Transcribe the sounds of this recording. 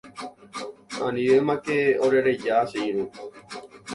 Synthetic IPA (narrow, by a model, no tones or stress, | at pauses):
ãnĩʋemãkeoɾeɾed͡ʒaːseiɾu